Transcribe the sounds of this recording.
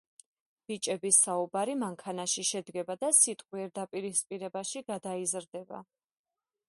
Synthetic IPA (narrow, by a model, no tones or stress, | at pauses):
b̥it͡ʃʼɛbisaubaɾimaŋkʰanaʃiʃɛd̪ɡɛbad̪asit̪ʼqʼwiɛɾd̪apʼiɾispʼiɾɛbaʃiɡad̪aizɾd̪ɛba̰